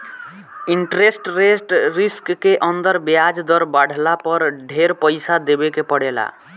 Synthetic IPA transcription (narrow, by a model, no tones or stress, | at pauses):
iɳʈɾesʈɾesʈɾiskːeʔənd̪əɾbjad͡ʒd̪əɾbaɽ̤lapəɾɖʱeɾpəjsad̪ebekepəɽela̰